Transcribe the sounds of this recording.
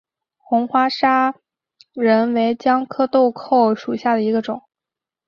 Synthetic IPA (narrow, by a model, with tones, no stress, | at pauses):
xʊ˧˥ŋxwa˥ʂa˥ | ɻə˧˥nwe˧˥ɪt͡ɕjɑ˥ŋkʰɤ˥t̪o˥˧ʊkʰo˥˩ʊʂu˨˩ɕja˥˩d̪ə˩i˧˥ɡə˧ʈ͡ʂʊ̰˨˩˦ŋ